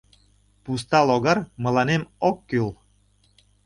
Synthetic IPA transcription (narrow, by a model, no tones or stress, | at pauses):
pus̬t̪ɑloɣɑrmə̆lɑnemokːyl